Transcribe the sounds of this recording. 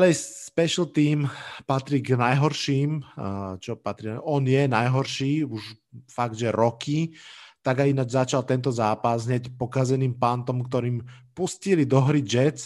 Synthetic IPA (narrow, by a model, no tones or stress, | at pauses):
alɛjsspɛʃl̩t̪iːmpat̪ɾiɡnajɦɔɾʃiːmt͡ʃɔpat̪ɾiɔnjɛnajɦɔɾʃiːuʃ | faɡ̚d̪ʒɛɾɔkʰit̪aɡainad͡ʒzat͡ʃalt̪ɛnt̪ɔzaːpazɦɲɛcpɔkazɛniːmpant̪ɔmkt̪ɔɾiːmpuscilid̪ɔɦɾid͡ʒɛt͡s